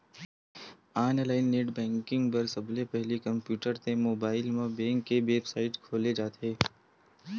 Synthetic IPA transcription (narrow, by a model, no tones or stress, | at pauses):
aːnlaːɪnːeːʈbɛ̃ːŋkɪ̃ŋɡpɐɾsɐblepɛɦlikɐ̃mpjuːʈəɾt̪ẽmoːbaːɪlmẽbɛ̃ːŋkːeʋeːbsaːɪʈkʰoːled͡ʒaːt̪eː